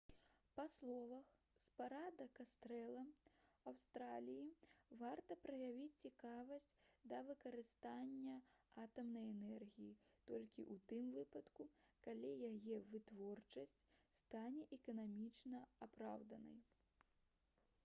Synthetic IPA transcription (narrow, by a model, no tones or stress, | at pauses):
paslˠɔvɐx | spaɾad̪ɐkast̪ɾɛlˠɐawst̪ɾalʲijivart̪ɐpɾɐjavʲit͡sʲt͡sʲikavɐsʲt͡sʲd̪ɐvɨkɐɾɨst̪anʲːɐat̪ɐmnɐjɛnɛrɣʲijit̪ɔlʲkʲḭʔut̪ɨmvɨpɐt̪kukalʲijajɛvɨt̪vɔrt͡ʂɐsʲt͡sʲst̪anʲɛʔɛkɐnamʲit͡ʂnɐapɾa̰wd̪ɐnɐ̰j